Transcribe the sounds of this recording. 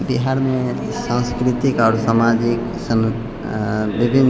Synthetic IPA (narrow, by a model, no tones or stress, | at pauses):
biɦaɾmẽ | sãnskɾɪt̪ikɔːɾsamaːd͡ʒɪk | sən | ʋɪbʱɪn